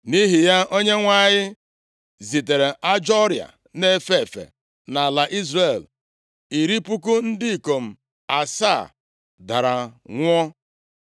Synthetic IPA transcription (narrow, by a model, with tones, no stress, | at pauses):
ni˦ɦɪ˨ja˦o˦ɲe˦ŋʷa˦˨ɲɪ˦ | zi˨te˨ɾe˨ʔa˦d͡ʒɔ˦ɾja̰˨ | ne˦fe˦˨fḛ˨ | na˨la˨ʔi˦zre˨l | i˨ɾi˦pu˦ku˦n̩˦dɪ˦i˨ko˨m̩˨ | a˨sa˦˨ | da˨ɾa˨ŋʷ˦ɔ˦